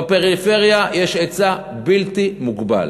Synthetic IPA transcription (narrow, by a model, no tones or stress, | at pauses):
peʁife̞ʁjajeʃet͡sa | bilt̪imuɡba̰l